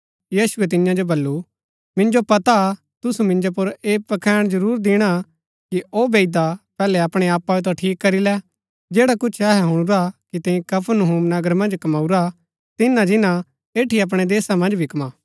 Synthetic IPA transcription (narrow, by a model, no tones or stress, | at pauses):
jiːsʊɛt̪̬ɪnjãd͡ʒobɐlːu | mɪ̃nd͡ʒopɐt̪a | t̪ʊsumɪ̃nd͡ʒop̬ʊɾeːpɐkʰɛːɽ̃d͡ʒɐɾuːɾd̪ɪɽ̃a | kiʔoːbeːɪd̪apɛːlɛɐpɽ̃eaːpːaet̪̬õʈʰiːkːɐɾilɛ | d͡ʒeːɽakʊt͡ʃʰɛːɦɛɦʊɽ̃ʊɾakit̪ẽĩkɐpʰənʊɦuːmnɐɡəɾmɐ̃nd͡ʒkɐmaːuɾa | t̪ɪnãd͡ʒɪnã | eːʈʰiɐp̬ɽ̃ed̪eːsamɐ̃nd͡ʒbʱikmãː